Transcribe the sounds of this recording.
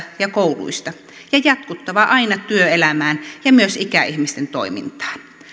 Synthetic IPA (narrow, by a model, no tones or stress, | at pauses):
jɑkoulṵist̪ɑ | jɑjɑt̪kut̪ːɑʋɑʔɑinɑt̪yøelæmæːnjɑmyøsikæihmist̪ent̪o̰imḭnt̪ɑ̥ːn